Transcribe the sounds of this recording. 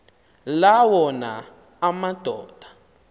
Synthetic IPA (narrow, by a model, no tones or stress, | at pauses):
lawɔna̰ː | mad̥ʱɔːd̥ʱa